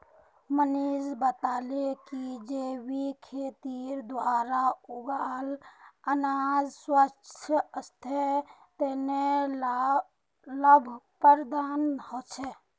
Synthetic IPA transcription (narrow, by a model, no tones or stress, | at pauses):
məniːd͡ʒbət̪aːlekid͡ʒeːwikʰeːt̪iːɾd̪waːɾaʊɡaːlənaːd͡ʒswət͡ʃʰəəst̪ʰet̪eːne | ləbʱpəɾd̪aːnhot͡ʃʰɛ